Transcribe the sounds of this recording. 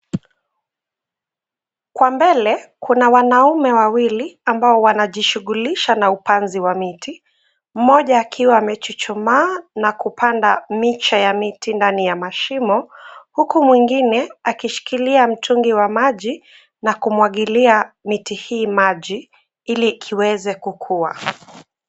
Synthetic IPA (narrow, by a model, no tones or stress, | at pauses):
kwambɛlɛkʰunawanaumɛwawiliambaɔwanaʄiʃuɠuliʃanaupanziwamiti | m̩ːɔʄaːkʰiwamɛt͡ʃit͡ʃumaːnakupandamit͡ʃajamitindanijamaʃimɔhukumwiŋɡinɛakiʃi̥kiliam̩tuŋɡiwamaʄi | nakumwaɠiliamitihiːmaʄi | ilikʰiwɛzɛkukʰua̰